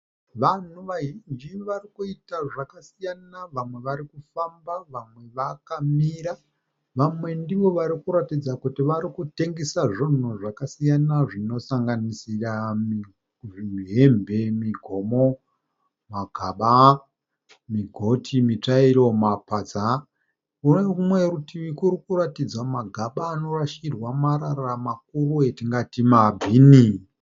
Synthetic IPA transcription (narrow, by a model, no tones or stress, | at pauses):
ʋan̤uʋaɦind͡ʒiʋarikuitaʐakasijanaʋamwe̞ʋaɾikufambaʋamwe̞ʋakamiːɾa | ʋamwe̞ndiʋo̞ʋaɾikuɾatid͡zakutiʋaɾikute̞ŋɡesaʐin̤uʐakasijanaʐino̞saŋɡanisirami | ʐiiɦe̞mbe̞miɡʱomo̞ | maɡʱaɓa | miɡʱo̞tʰimit͡ʂaiɾo̞mapad͡za | uneumweɾutiʋikuɾikuratid͡zamaɡʱaɓaːno̞raʃirwamaɾaramak̚uruetiŋɡatimabʱiːni